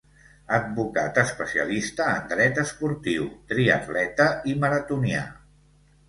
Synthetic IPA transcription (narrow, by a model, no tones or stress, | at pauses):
əd̪̚βukat̪əspəsiə̰list̪əːnd̪ɾɛt̪əspuɾt̪iwt̪ɾiə̰t̪lɛt̪əiməɾət̪unia̰